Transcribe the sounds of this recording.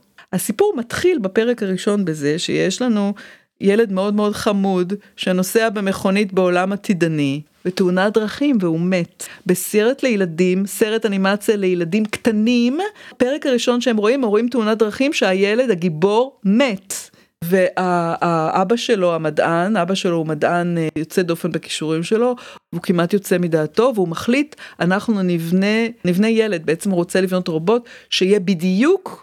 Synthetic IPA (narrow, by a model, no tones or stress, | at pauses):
hasipuʁmat̪χilbape̞ʁekaʁiʃo̞nbe̞ze̞ʃḛjeʃlanu | jele̞dmeo̞dmeo̞dχamudʃeno̞seabe̞me̞χo̞nitbeo̞lamat̪ʰidanibeteunadʁaχimveume̞tbeseʁetle̞jeladimseʁetanimat͡sijale̞jeladimkt̪animpeʁekaʁiʃo̞nʃeemʁo̞imʁimteunadʁaχimʃeajele̞daɡibo̞ʁmet | ve̞ʔaaʔabaʃe̞lo̞amadʔanabaʃelo̞umadanjo̞t͡sedo̞fe̞nbeki̥ʃuʁimʃe̞lo̞veukimʔatjo̞t͡se̞midaːto̞veumaχlitʔanaχnunivnenivnejele̞d̚beet͡semʁo̞t͡selivno̞tʁobo̞tʃeijebidjuk